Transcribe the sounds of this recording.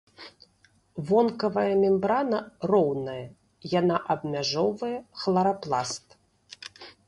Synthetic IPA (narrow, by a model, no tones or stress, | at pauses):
vɔnkɐvɐjɐmʲɛmbɾanɐrɔwnɐjɐ | janaʔɐbmʲaʐɔvɐjɛxlˠɐɾaplˠast̪